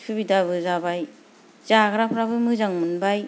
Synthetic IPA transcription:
pʰɯbidaβɯzabaj | zaɡɾapʰɾabɯmɯzaŋmɯnbaj

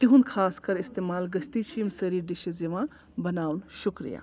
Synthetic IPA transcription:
t̪iɦund̪kʰaːskɐɾist̪emaːlɡəst̪it͡ʃʰimsəɾiːɾɖiʃid͡zeʋã | bɐnaːwnʃukɾḭja̰

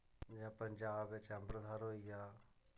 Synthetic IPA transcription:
d͡ʒãːpəɲd͡ʒaːbːɪt͡ʃəmbɾəd̪ʱaːɾɦoːiaː

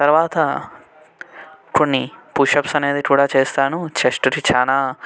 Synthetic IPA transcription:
t̪ɐɾʋaːt̪ɐ | konːipuʃɐpsɐne̞ːd̪ikuːɽaːt͡ʃeːst̪aːnut͡ʃeʂʈuɾit͡ʃʰaːnaː

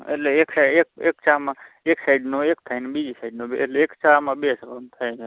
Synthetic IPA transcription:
ḛleeksaekekt͡ʃaːmã | eksajɖnoekt̪ʰajnbid͡ʒʱisaɪɖnõbḛleekt͡ʃamãbeskəmt̪ʰə̃

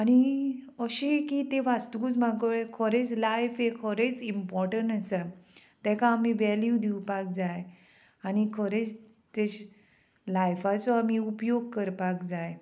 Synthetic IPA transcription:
aɽ̃i | əɕikit̪eʋast̪kut͡smaɡɭekʰɔɾet͡slajfekʰɔɾet͡simpɔɾʈəɳʈəsat̪ɛ̃kaːmiʋɛljud̪iwpak̚d͡zaj | añikʰɔɾet͡s | t̪eɕ | lajfat͡sɔam̤iupjoɡ̚kəɾpakd͡zaj

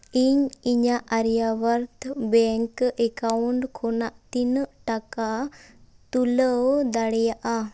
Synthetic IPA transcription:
iɲiɲaʔaɾjawəɾt̪ʰbɛŋkɛkawɳʈkʰɔnaʔt̪inəʔʈaka | t̪uləwd̪aɽɛjaʔa

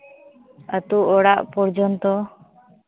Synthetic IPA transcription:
ət̪uʔɔɽaʔpɔɾd͡ʒɔnt̪ɔ

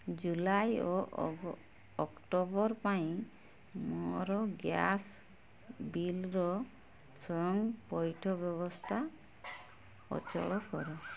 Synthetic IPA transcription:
d͡ʒulajɔ | ɔkʈɔbɔɾpaĩ | mɔɾɔɡjas | bilɾɔ | sɔŋpɔjʈʰɔbjɔβɔst̪ʰa | ɔ̰t͡ʃɔ̰ɭɔkɔɾɔ

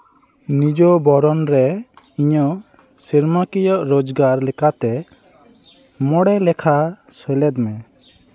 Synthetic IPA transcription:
nid͡ʒɔbɔɾɔnɾɛ | iɲɔ | siɾmakijɔʔɾod͡ʒɡaɾlɛkat̪ɛ | mɔɽɛlɛkʰasɛlɛd̪mɛ

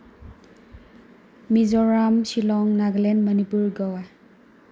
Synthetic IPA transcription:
mizɔɾamsilɔŋnaɡlenmənipuɾɡɔwaj

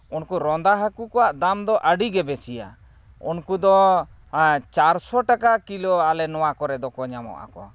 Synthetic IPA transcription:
unkuɾɔnd̪aɦəkukɔwaʔd̪amd̪ɔʔəɖiɡɛbɛsija̰ | unkud̪ɔ | t͡ʃaɾsɔʈakakilɔalɛnɔwakɔɾɛd̪ɔkɔɲamɔ̰ʔa̰kɔ̰

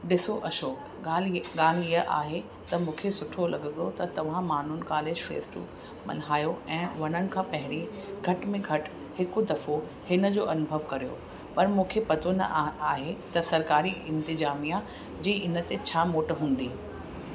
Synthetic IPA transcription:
ɖɪsoʔɐʃoːk | alɡaːl̤iəʔa̰ːɦe | t̪ɐmũːkʰesʊʈʰolɐɡəd̪ot̪ɐt̪ɐʋ̤ãmaːn̤unkaːleːd͡ʑfḛːsʈṵ | mɐ̰nɦaːjoɛ̃ːʋɐnənɪ̆kʰãːpɐɦɪɽ̃iɡʱɐʈmẽɡʱɐʈ | hɪkʊd̪ɐfo | hɪnə̆d͡ʑoːʔɐnʊbʱəʋkɐɾijo̰ | pɐɾmũːkʰepɐt̪onɐ̰ʔaːɦet̪ɐsɐɾkaːɾiɪ̃nt̪ɪzaːmija | d͡ʑiːʔɪnə̆t̪et͡ɕʰaːmoːʈɦũːn̆d̪iː

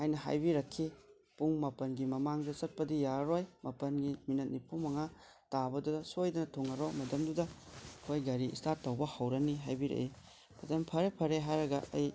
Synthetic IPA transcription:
hajnɐɦa̰jbiɾɐkʰːi | puŋmɐpɐnɡimɐmaŋdɐsɐt̚pɐdijaɾojmɐpɐnɡiminɐt̚nipʰumɐŋa | tabɐdudɐsojdɐnɐtʰoŋɐɾomɐdɐmdudɐkʰojɡɐɾiistaɾtɐwbɐhɐwɾɐniɦajbiɾɐ̰ʔe | mɐtɐmpʰɐɾepʰɐɾeɦajɾɐɡɐʔɐj

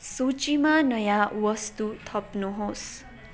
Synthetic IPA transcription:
sot͡ʃimanʌjãwʌst̪ut̪ʰʌpnuɦos

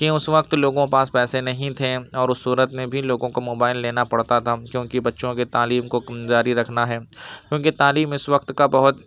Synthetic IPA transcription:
kiʊsʋɐq̚t̪loːɡõpãːspɛːsenɐɦĩt̪ʰeɔːɾʊsːuːɾət̪mẽbʱiloːɡõkamoːbaːɪlːeːnapɐɽt̪at̪ʰakjõːkibɐtːʃõket̪aːliːmkokɐmd͡ʒaːɾiɾɐkʰnaɦɛːkjõːkit̪aːliːmɪsʋɐkt̪kabɐɦʊt̪

